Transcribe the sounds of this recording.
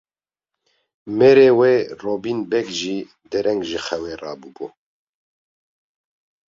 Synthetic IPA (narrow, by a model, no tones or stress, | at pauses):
meɾeːweːroːbiːnbɛɡʒiː | d̪ɛɾɛŋɡʒɨxɛweːrɑːbubu